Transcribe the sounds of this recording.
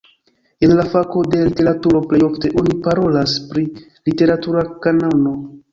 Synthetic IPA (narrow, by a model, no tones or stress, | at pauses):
enlafako̞de̞lite̞ɾatuɾo̞ple̞jofte̞ʔo̞nipaɾo̞laspɾi | lite̞ɾatuɾakanano̞